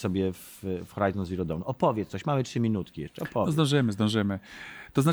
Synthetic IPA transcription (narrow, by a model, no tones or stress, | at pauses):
sɔbʲjɛffxɔɾajzɔnzvʲiɾɔd̪ɔnuʔɔpɔvʲjɛt̪ssɔɕmamɘtʂɘmʲinut̪kʲijɛ̰ʂt͡ʂɛɔpʰɔvzd̪ɔ̃w̃ʐɘmɘzd̪ɔ̃w̃ʐɘmɘt̪ɔza